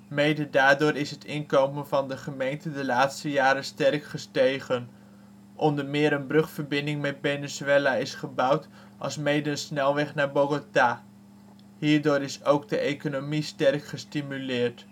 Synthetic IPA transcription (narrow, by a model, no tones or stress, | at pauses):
mejdədaːɹdʊːɾɪsɦətɪnkowmənvɑndəχəmejntədəlaːtstəjaːɾəstɛrkχəstejχən | ʔɔndəɹmɪːɾənbrɵχfəɹbɪndɪŋmɛt̚benɪzelaɪsχəbʌwt | ʔɑ̰lˠsmejdəənsnɛlˠʋɛχnaːɹboɡota | ɦiːɹdʊːɾɪsowɡ̚dəʔejkonomistɛrkχəstimylɪːɹt